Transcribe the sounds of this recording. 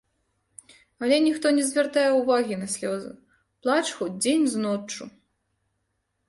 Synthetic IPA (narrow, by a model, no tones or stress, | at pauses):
ɐlʲɛnʲixt̪ɔnʲɛzʲvʲart̪ajɛuvaɣʲinɐsʲlʲɔzṵ | plˠat͡ʂxud͡zʲenʲznɔt͡ʂːu